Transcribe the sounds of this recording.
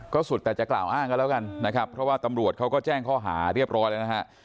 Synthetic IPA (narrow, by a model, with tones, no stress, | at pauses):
kɔː˥˩su˨˩t̪ːɛː˨˩t͡ɕa˨˩kla̰ː˨˩wʔaː˥˩ŋka˧˩˨lɛː˦˥wka˧nːa˦˥kʰa˦˥pʰɾɔ˦˥waː˥˩t̪a˧mɾu˨˩ət̪̚kʰa˦˥wkɔː˥˩t͡ɕɛː˥˩ŋkʰɔː˥˩ɦa̰ː˩˦ɾi˥˩əp̚ɾɔː˦˥jlaː˧na˦˥kʰa˦˥ʔ